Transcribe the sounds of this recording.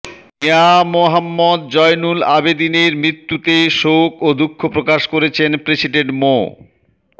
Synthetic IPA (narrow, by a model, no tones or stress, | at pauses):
meamoɦamːɔd̪̚d͡ʑɔjnulabed̪ineɾmɾit̪ːut̪eʃokod̪ukʰːopɾokaʃkoɾet͡ɕʰenpɾesiɖeɳʈmo